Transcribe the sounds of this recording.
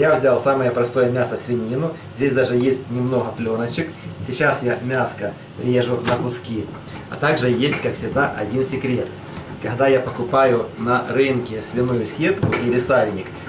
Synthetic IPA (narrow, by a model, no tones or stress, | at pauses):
javzʲalˠsaməjəpɾɐst̪o̞jəmʲasɐsʲvʲɪnʲinʊzʲdʲesʲd̪aʐɨjesʲtʲnʲɪmno̞ɦɐplʲonɐt͡ɕɪksʲɪt͡ɕasjamʲaskɐ | pɾʲɪjeʐʊnɐkʊskʲi | ɐ̰t̪aɡʐɨjesʲtʲkaksʲɪɣd̪aʔɐ̰dʲinsʲɪkɾʲe̞t̪ | kɐɣd̪ajapɐkʊpajʊnɐɾɨnkʲɪsʲvʲɪnujʊsʲet̪kʊʔiɾʲɪsalʲnʲɪk